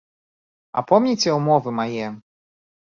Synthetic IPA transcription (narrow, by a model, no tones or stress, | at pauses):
a̰pɔmɲʲit͡ɕʲɛumɔvɘmajɛ